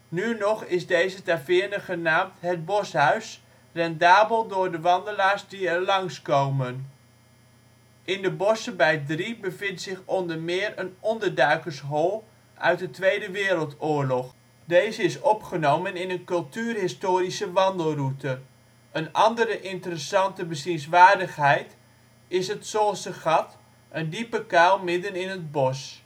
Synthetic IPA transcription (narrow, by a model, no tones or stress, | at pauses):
nynɔχɪzdejzətafɪːɹnəχənaːmtɦəd̚bɔsɦœɥs | rɛndaːbəlˠdʊːɹdəʋɑndəlaːɹzdiɛɹlɑŋskowmən | ɪndəbɔsəbɛjdribəvɪntsɪχɔndəɹmɪːɹənɔndəɹdœɥkəɹsɦɔlˠ | ʔœ̰ɥt̚dətʋejdəʋɪːɾəlˠtʊːɹlɔχ | dejzəɪsɔpχənowmənɪnənkɵlˠtyːrɦɪstoːɾisəʋɑndəlˠrutə | ənɑndəɾəʔɪntərəsɑntəbəsinsʋaːɹdəχɦɛjt | ɪsətsolˠsdəχɑt | ʔəndipəkalˠmɪdənɪnəd̚bɔs